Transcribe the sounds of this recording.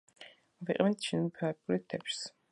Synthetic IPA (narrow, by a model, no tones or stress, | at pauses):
viqʼmɛnt̪ʰʃʰinmpʰakʼuɾit̪ʰɛpʃs